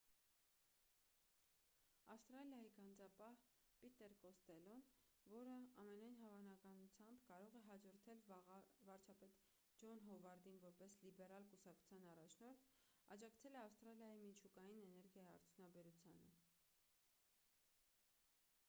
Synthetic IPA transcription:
ɑfst̪ɾɑljɑjiɡɑnd͡zɑpɑhpit̪ɛɾkɔst̪ɛlɔnvɔɾəɑmɛnɑjnɦɑvɑnɑkɑnut͡sʰjɑmbkɑɾɔʁɛɦɑd͡ʒɔɾt̪ʰɛlvɑɾt͡ʃʰɑpɛt̪ | d͡ʒɔnɦɔvɑɾd̪invɔɾpɛslibɛɾɑlkusɑkʰt͡sʰu̥t͡sʰjɑnɑrɑt͡ʃʰnɔɾt̪ʰɑd͡ʒɑkt͡sʰɛlɛɑfst̪ɾɑljɑjimit͡ʃʰukɑjinɛnɛɾɡjɑjiɑ̰ɾt̪ʰjunɑbɛɾut͡sʰjɑ̰nə̰

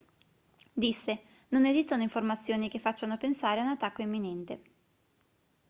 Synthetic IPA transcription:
d̪isːe | nonezist̪onoiɱformat̪sːjoːnikefːat͡ʃːanopensaːɾeunat̪ːakːoimːinɛnt̪e

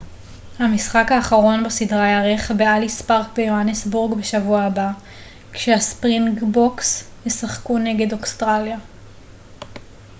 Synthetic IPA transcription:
hamisχakaːχaʁo̞nbasidʁajaʁeχbealispaʁkbejoanesbuʁɡbeʃavuaːba | kʃeaspʁinɡbokshesaχkune̞ɡe̞dokstʁalja

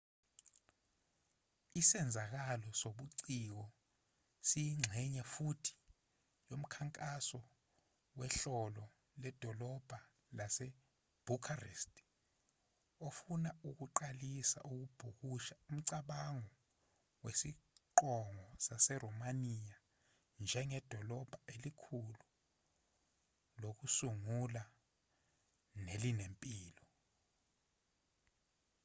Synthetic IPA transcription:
isɛnd͡zʱak̬alɔsoɓuǀik̬ɔ | sijiŋ͡ǁʱɛɲafutʰi̥ | jom̩kʰaŋkʼasɔ | wɛɬɔlɔ | lɛd̥ʱɔlɔb̥ʱa | lasɛ | b̥ʱukʰarḛstʰʼ | ofunauk̬uǃalisa̰ʔuk̬ub̥ʱuk̬uʃaum̩ǀaɓaŋɔ | wesiǃɔŋɔsasɛrɔmanija | nd͡ʒʱɛŋɛd̥ʱɔlɔb̥ʱaelikʰulu | lok̬usuŋula | nelinempʼiːlɔ

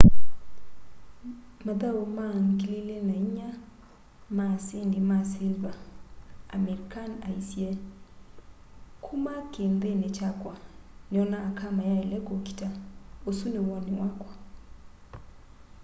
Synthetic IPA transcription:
mad̪aomaŋkilelenaiɲa | masenimasilvaː | meɾikanaisjɛ | kʰumakend̪enet͡ʃakwaneɔnaːkamajaelɛkoki̥taosunewɔnɪwakwa

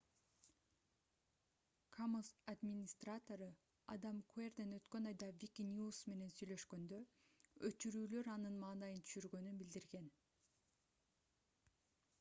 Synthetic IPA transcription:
kʰamozad̪mʲinʲist̪rat̪o̞ɾɯ | ɑ̰d̪ɑmkʰuerd̪enø̞t̪kø̞nɑjd̪ɑvʲikʲinʲusme̞ne̞nsyjlø̞ʃkø̞nd̪ø | øt͡ʃyɾyːlø̞ɾɑnɯnmɑːnɑjɯnt̪ʰy̥ʃyɾɡø̞nynbild̪iɾɡe̞n

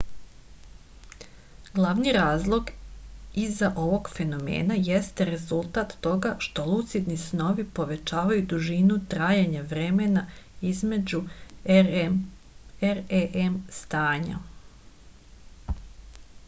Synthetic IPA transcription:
ɡlˠaʋniɾaːzlˠo̞ɡ | izaʔo̞ʋo̞ɡfe̞no̞mḛːnaje̞st̪eɾe̞zulˠt̪at̪ːo̞ɡaʃt̪o̞lˠut̪sid̪nisno̞ʋipo̞ʋe̞t͡ʃaːʋajud̪uʒinut̪ɾaːjaɲaʋɾe̞menaizme̞d͡ʒu | eɾeʔemst̪aːɲa̰

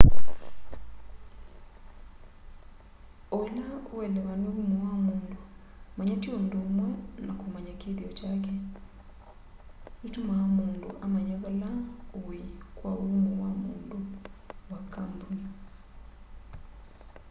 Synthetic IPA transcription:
olaoweleβaniβumuwamuːndu | maɲationdomwɛnakumaɲakeðiɔcak̬e | nutumaomuːndṵʔamaɲaβalaowekwaulumuwamṵːnduwakambuni

